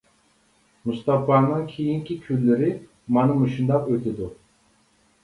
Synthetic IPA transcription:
must̪ɑfɑːnɨŋkʲʰejiŋkʲikʲʰylːɪɾɪ | mɑnɨmuʃund̪ɑqøt̪ʰɪd̪u

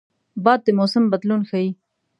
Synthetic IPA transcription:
baːd̪̚t̪ːemoːsɐmbɐd̪luːnxɐiː

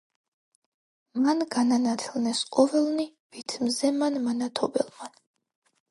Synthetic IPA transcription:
manɡananat̪ʰɛlnɛsqʼɔvɛlˠni | v̥it̪ʰmzɛmanmanat̪ʰɔbɛlˠman

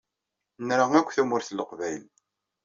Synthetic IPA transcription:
nɾaʁækʷːθæmʊɾθlːəqvæjl

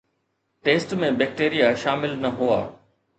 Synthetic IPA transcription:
ʈeːsʈmẽbɛːk̚ʈeːɾijaʃaːmɪlnɐɦua̰ː

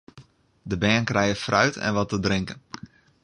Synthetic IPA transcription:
dəbɛːnkrɛjəfrœ̰ɥtʰɛ̰nʋɔtədrɪŋkən

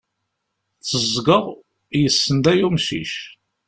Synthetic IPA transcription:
t͡sːəzˤɡəʁ | jəsːənd̪æjumsḭʃ

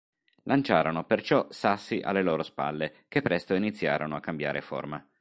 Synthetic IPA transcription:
lʔant͡ʃaːɾonopert͡ʃɔsasːiʔa̰lːeloːɾospa̰lːekepːɾɛst̪oinit̪sːja̰ːɾonoakːambja̰ːɾefo̰rma

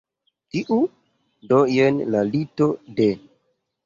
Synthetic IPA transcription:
tiʔu | dojenlalito̞de

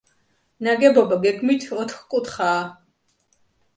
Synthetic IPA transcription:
naɡɛbɔbaɡɛɡmit̪ʰɔt̪ʰχkʼut̪ʰχaː

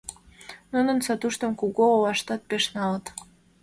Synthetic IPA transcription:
nunənsɑt̪uʃt̪ə̆mkuɣoowɑʃt̪ɑt̪̚peʃnɑlət̪

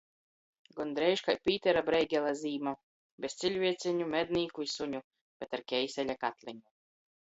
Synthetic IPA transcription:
ɡɔnd̪ɾɛjʃkajpʲiːt̪ɛɾabɾɛjɡʲɛlˠaziːma | bʲest̪sʲilʲvʲiɛt̪sʲɛɲumɛd̪nʲiːkuisuɲu | b̥ɛt̪aɾkʲɛjsʲɛlʲakat̪lʲɛɲu

